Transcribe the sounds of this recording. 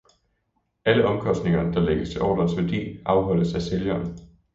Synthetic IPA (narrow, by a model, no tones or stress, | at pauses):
æləʔɒ̽mkʰɒ̽sd̥ne̝ŋɐnd̥ɑ̈leɡ̥əst͡sʰe̝ʔɒ̰ːdɐnsʋæɐd̥ḭːʔɑ̈ʊɦɒ̽l̰əsæseljɐːn